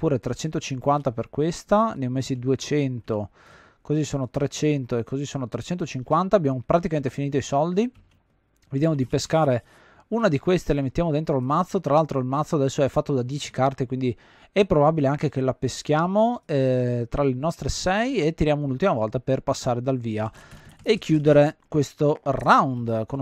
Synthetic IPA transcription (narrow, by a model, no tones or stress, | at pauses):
puːɾet̪ɾet͡ʃɛnt̪ot͡ʃiŋkwant̪aperkwest̪anejmezid̪uet͡ʃɛnt̪o | kozisːoːnot̪ɾet͡ʃɛnt̪oekːozisoːnot̪ɾet͡ʃɛnt̪ot͡ʃiŋkwant̪aːbjaːmopɾat̪ikament̪efiniːt̪oisɔld̪i | vid̪jaːmod̪ipeskaːɾe | unad̪ikwest̪elemet̪ːjaːmod̪ent̪ɾolmat̪sːot̪ɾalalt̪ɾoilmat̪sːoad̪ɛsːoɛfːat̪ːod̪ad̪jɛːt͡ʃi̥kart̪ekwind̪i | ɛpːɾobabileaŋkekelapesk̟jaːmoɛt̪ɾalenɔst̪ɾesɛjet̪ːiɾjaːmounult̪imavɔlt̪aperpasːaːɾed̪alviːaekʰːjuːd̪eɾekwest̪orawnd̪kon